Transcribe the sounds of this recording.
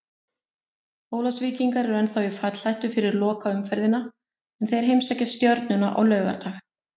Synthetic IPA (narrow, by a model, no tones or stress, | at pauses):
oːwlasviːciŋkaɾɛɾɛnθawɪfat̪l̥ajht̪ʏfɪɾɪɾlɔːkaʏmfɛɾðɪna | ɛnθejɛɾ̥ɦejmsɛhcːast̪jœɾt̪nʏna̰ʔɔ̰ɣlœːɥɣa̰ɾt̪ʰax